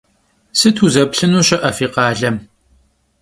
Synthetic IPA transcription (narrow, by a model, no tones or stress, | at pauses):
sɨtʰuzɐpɬɨnuːɕɐʔɐfiːqɑːɮɐm